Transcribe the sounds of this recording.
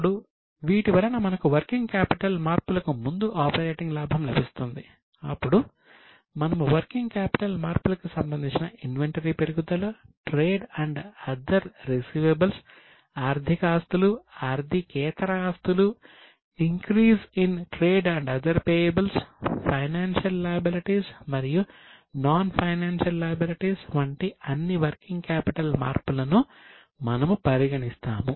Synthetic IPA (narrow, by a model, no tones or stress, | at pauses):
ɽu | ʋiːʈiʋɐɾɐnɐmɐnɐkuʋɐɾkiŋɡkaːpiʈɐlmaːɾpulɐkumund̪uʔaːpɐɾeːʈiŋɡlaːbʱɐmlɐ̰bʱist̪und̪i | ɐ̰pːuɽu | mɐnɐmuʋɐɾkiŋɡkaːpi̥ʈɐlmaːɾpulɐkusɐmbɐnd̪ʱiɲt͡ʃinɐʔinʋeɳʈɐɾipeɾuɡud̪ɐlɐʈɾeːɖɐɳɖɐd̪ɐɾːisiːʋebɐls | aːɾd̪ʱikaːst̪uluaːɾd̪ʱikɛːt̪ɐɾɐaːst̪ulu | iŋkɾiːsinʈɾeːɖɐɳɖɐd̪ɐɾpeːjebɐlspʰɐjnaːnʃɐlːɐːjɐbiliʈiːsmɐɾiju | naːnpʰɐjnaːnʃɐlːɐjɐbiliʈiːsʋɐɳʈiɐnːiʋɐɾkiŋɡkaːpiʈɐlma̰ːɾpulɐnu | mɐnɐmupɐɾiɡɐɳist̪aːmu